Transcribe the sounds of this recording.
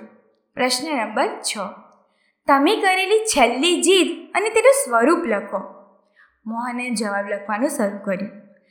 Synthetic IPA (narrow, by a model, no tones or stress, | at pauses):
pɾəʃnəɾəbəɾt͡ʃʰɔ | t̪əmekəɾelit͡ʃʰɛlːid͡ʒid̪ənet̪enõsʋəɾupləkʰo | moɦəned͡ʒəʋabləkʰʋanũsəɾukəɾjũ